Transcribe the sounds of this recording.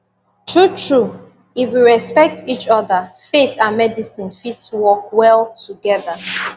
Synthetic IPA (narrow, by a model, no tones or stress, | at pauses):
tʰɹutʰɹu | ifwiɹɛspɛk̚tit͡ʃɔðəfetʰãnmɛdisĩnfitswɔkwɛlˠtuɡɛðə